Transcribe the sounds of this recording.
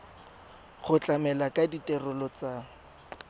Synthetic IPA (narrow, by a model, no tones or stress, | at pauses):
χʊt͡ɬʼamɛlakaditʼɛrʊlɔt͡sa